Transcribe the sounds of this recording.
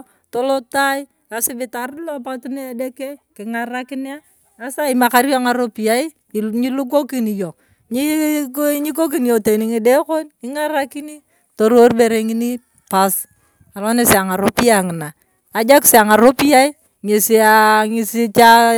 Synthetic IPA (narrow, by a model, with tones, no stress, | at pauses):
to˦lo˦ta˦i˦ | a˨sɪ˦bɪ˦ta˨ɾlo˦p̬a˦tu˦ne˦a˦de˦ke˦kɪ˨ŋa˦ɾa˦kɪ˦nja˦ | a˦sa˦ɪ˦ma˨ka˦ɾjɔ˦a˦ŋa˨ɾo˦pi˨ja˦i˦ | ɲi˦lu˦k̬o˦ki˦ni˨jo˨ | ɲi˦ | ɲi˦k̬o˦k̬i˦n˨jo˨te˨ni˨ŋɪ˨de˦ko˦nkɪ˦ŋa˦ɾa˦kɪ˦ni˦ | to˨ɾo˦rbe˨ɾe˨ŋɪ˦ni˦ | pa˦s | a˨lɔ˦ne˦se˨a˨ŋa˨ɾo˦pi˦a˨ŋɪ˨na˨ | a˨d͡ʒa˦kse˨a˨ŋa˨ɾo˦pi˦ja˦i˦ | ɲe˨si˦a˨ŋɪ˦sɪ˦t͡ʃa˦